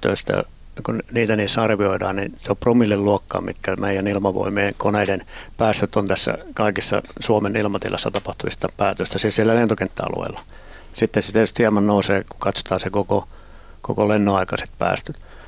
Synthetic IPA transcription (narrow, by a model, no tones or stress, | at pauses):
t̪ø̰ˑist̪æ̰ | kunniːt̪æniːsːɑrʋioidɑ̰ːnniseoppromilːelluokːɑ̰ːmmit̪kæmeijænilmɑʋo̰imiːŋkoneidenpæːst̪øt̪ont̪æsːæ̰kɑikisːɑ̰suomenilmɑt̪ḭlːɑ̰sːɑt̪ɑpɑht̪umist̪ɑpæːt̪øst̪æsisielːælent̪okent̪ːæɑ̰lo̰ḛilːɑ | sit̪ːeset̪iet̪yst̪hiɛmɑnnouseːkukɑt̪so̥t̪ɑːsekoko | ko̰kolenːoɑikɑse̥t̪̚pæ̰ːst̪øt̪